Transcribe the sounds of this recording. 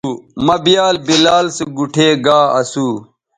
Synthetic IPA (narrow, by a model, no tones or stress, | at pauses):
mɐbijaːlbilaːlsiɡuʈʰeːɡaːɐsuː